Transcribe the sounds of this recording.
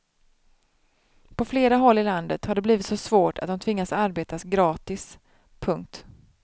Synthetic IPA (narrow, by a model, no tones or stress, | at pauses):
pʰɔfleːɾaɦɔlːɪland̪ət̪haɖɛbliːvɪt̪sɔsvoːʈʰa̰t̪̚d̪ɔmt̪ʰvɪŋːasaɾbeːt̪asɡɾɑːt̪ɪs | pʰɵŋk̚t̪